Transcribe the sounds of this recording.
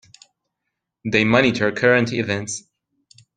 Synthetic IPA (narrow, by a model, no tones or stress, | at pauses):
ðeɪmʌnitʰə˞kʰɜɹə̃ntɪvɛ̃nts